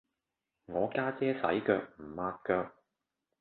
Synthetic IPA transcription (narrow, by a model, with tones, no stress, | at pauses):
ŋɔː˨˧kaː˥t͡sɛː˥sɐ˨˥jkœː˧k̚m̩˨˩maː˧t̚kœː˧k̚